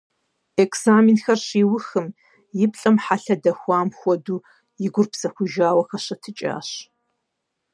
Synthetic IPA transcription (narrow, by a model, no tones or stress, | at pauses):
ekʰzaːminxɐrɕiːwʊxɨm | jɪpɬʼɐmħaɬɐdɐxʷɑːmxʷɔduː | jɪɡʷʊrpsɐxʷʊʒaːwɐxɐɕɐtʰɨt͡ʃʼa̰ːɕ